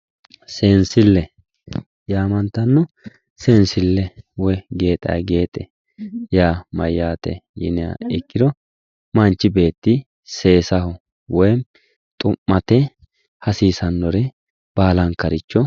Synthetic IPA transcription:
seːnsɪlːɛ | jaːmɐnt̪ːɐnːɔ | sensɪlːɛwɔjɡe̞ːt̪ʼːɐ̰jɡe̞ːt̪ʼɛ | jaːmɐjːaːt̪ɛ̰jɪ̰nɪa̰ɪkːɪd̪ɔ | mɐnt͡ʃːɪbe̞ːt̪ːɪ | se̞ːsɐhɔ | wɔj | t̪ʼʊmːɐt̪ɛ | hɐsiːsɐnːɔɾɛ | b̥aːlɐŋkɐɾɪt͡ʃːɔ

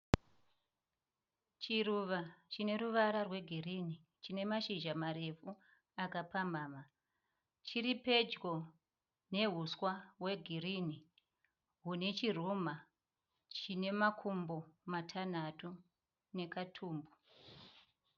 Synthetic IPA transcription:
t͡ʃiruʋat͡ʃine̞ɾuʋaɾarwe̞ɡʱiriːni | t͡ʃine̞maʃiʒamaɾe̞fu | akapambaːma | t͡ʃiɾipe̞d͡ʒɡo̞ | ne̞ɦuswawe̞ɡʱirini | ɦune̞t͡ʃir̤uma | t͡ʃine̞makʰumbo̞matʰan̤atu | ne̞katʰuːmbu

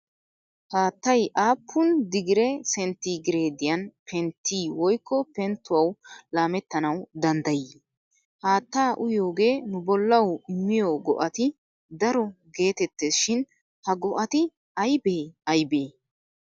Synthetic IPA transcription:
haːt̪ːɐjʔaːpʰːʊnd̪ɪɡɪɾɛsɛnt̪iɡɪɾeːd̪ɪjɐnpʰɛnt̪ːiːwɔjkʰːɔpɛnt̪ːʊwɐwlaːmɛt̪ːɐnɐwd̪ɐnd̪ɐjɪ | haːt̪ːaːʔʊjo̞ːɡe̞ːnʊbɔlːɐwɪmːɪjoːɡɔ̰ʔɐt̪ɪ | d̪ɐɾɔɡe̞ːt̪ɛt̪ːeːsʃɪn | hɐɡɔʔɐt̪ɪ | ɐjbeːɐjbeː

